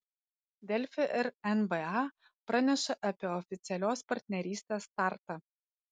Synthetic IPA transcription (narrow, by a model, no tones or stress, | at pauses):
d̪ʲɛlʲfʲɪʔɪɾɛnbɛɑ | pɾɑnʲɛʃɐʔɐpʲiɛɔfʲɪt̪sʲɛlʲoːspɐɾʲt̪ʲnʲɛɾʲiːsʲt̪ʲeːst̪ɑˑɾt̪ɐ